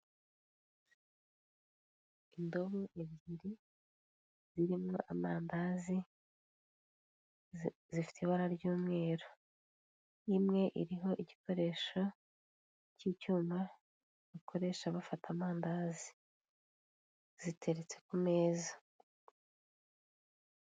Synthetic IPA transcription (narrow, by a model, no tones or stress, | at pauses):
indo̞βoʔeβiːɾi | z̥iɾimŋo̞ʔamaːndazi | zifi̥tʰeβaɾaɾɟuːmŋe̞ːɾo | imŋe̞ʔiɾiɦo̞ʔiɟiko̞ɾe̞ːʃo | cicuːma | βakʰo̞ɾe̞ːʃaβafatʰamaːndazi | z̥itʰe̞ɾet͡se̞kume̞ːza